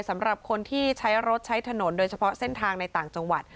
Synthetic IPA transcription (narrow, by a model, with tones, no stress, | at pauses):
jsa˩˦mɾa˨˩p̚kʰo˧nt̪ʰiː˥˩t͡ɕʰa˦˥jɾo˦˥t̪̚t͡ɕʰa˦˥jt̪ʰa˧no˩˦ndoː˧jt͡ɕʰa˧pʰɔ˦˥se˥˩nt̪ʰaː˧ŋna˧jt̪aː˨˩ŋt͡ɕa˧ŋwa˨˩t̪̚